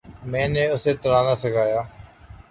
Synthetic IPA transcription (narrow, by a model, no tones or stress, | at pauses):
mɛ̃ːnẽːʊseːt̪əɾãːnaːsəɡʱaːjaː